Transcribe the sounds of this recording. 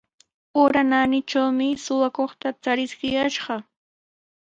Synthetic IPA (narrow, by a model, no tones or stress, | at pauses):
oɾananɪt͡ʃawmɪsʊwakoχt̪at͡saɾɪskɪjaʃɢɑ